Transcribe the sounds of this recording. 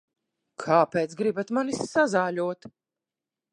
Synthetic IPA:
kʰaːpeːt̪sɡɾibat̪manisːazaːlʲuɔt̪

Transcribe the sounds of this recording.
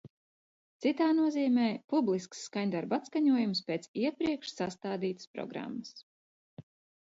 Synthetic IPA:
t̪sit̪aːnuɔziːmɛːpublˠisksːkaɲd̪aɾbat̪skaɲuɔjumspʲeːt̪siɛpɾiɛkʃsast̪aːd̪iːt̪ə̥spɾɔ̰ɡɾa̰mːəs

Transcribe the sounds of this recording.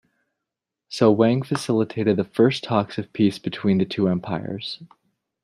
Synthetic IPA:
soʊwæ̃ŋfɨsɪlˠətʰeɪɾɨd̪̚ðɨfɜ˞stʰɑksʌv̥pʰisb̥ɨtʰw̥ĩnðɨtʰʉɛ̃mpʰaɪə̰˞z̥

